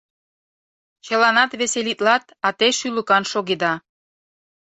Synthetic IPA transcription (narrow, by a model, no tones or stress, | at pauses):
t͡ɕə̆lɑnɑt̪βeselit̪lɑt̪ | ɑt̪eʃyləkɑnʃoɣed̪ɑ